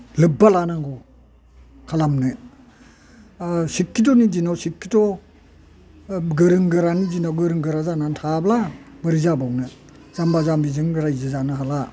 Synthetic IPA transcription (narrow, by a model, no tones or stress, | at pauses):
lɯbːalanaŋɡɔ | kʰalamnɯ | sikːit̬ɔnizinawsikːitɔ | ɡɯɾɯŋɡɯɾanizinawɡɯɾɯŋɡɯɾazanantʰablabɯɾizabawnɯ | z̥ambazambizɯŋɡɯɾajzɯzanɯɦala